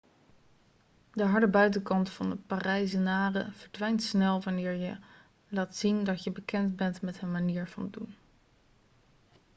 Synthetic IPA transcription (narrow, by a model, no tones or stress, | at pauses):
dəɦɑɹdəbœɥtəkɑntfɑndəparɛjs̬ənaːrəv̥əɹdʋɛjntsnɛlˠvɑnɪːɹjə | laːtsindɑtjəbəkɛndbɛntmɛtɦənmaniːɹv̥ɑ̰ndun